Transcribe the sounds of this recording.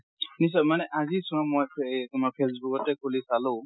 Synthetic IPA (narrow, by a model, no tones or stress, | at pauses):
nis̬ɔmanɛʔazisɔɹɔmojpʰtumapʰesbukɔtːɛkʰulisalʊ̃